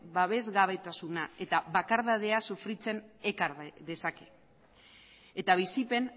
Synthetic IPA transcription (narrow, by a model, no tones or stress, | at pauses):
baβe̞zɣaβe̞t̪asunae̞t̪aβakaɾðað̞e̞asufɾit͡se̞ne̞kaɾðe̞sake̞̥ | et̪aβ̞isipe̞n